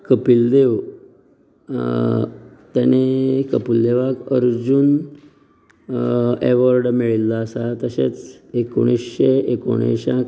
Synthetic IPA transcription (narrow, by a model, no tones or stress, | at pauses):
kəpild̪ew | t̪anekəpild̪eʋakə̰ɾd͡ʑun | eʋəɾɖmeɭilːaːsat̪əɕḛt͡seko̰ɽ̃isɕeeko̰ɽ̃ḛɕãk